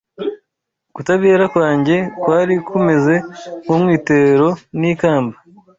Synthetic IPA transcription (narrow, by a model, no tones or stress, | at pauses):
kutaβeːɾakwaːɲɟe̞kwaːɾikʰume̞ze̞kumŋiːteɾo̞niːkaːmba